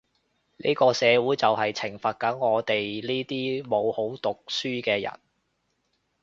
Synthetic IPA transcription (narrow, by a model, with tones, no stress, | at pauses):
nḭː˥kɔː˧sɛː˨˧wuː˨˥jt͡sɐ˨whɐ˨jt͡sʰɪ˨˩ŋfɐ˨t̚kɐ˨˥nŋɔː˨˧t̪e˨jliː˥t̪iː˥mo˨˧who˨˥wt̪ʊ˨k̚syː˥kɛː˧jɐ̰˨˩n